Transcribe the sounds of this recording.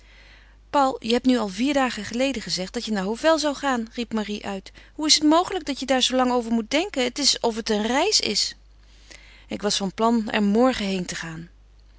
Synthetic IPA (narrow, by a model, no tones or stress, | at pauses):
pɑwlˠjəɦɛp̚nyɑlˠviːɹdaːχəχəlejdəχəzɛχtdɑtjənaːɹɦowfɛlˠzɑwχaːnripmariʔœɥtɦuɪsətmowχələɡ̚dɑtjədaːɹzowlɑŋowvəɹmut̚dɛŋkəətɪsɔfətənrɛjsɪ̰s | ɪkʋɑsfɑnplɑnɛ̰ɹmɔɹχəɦejntəχaːn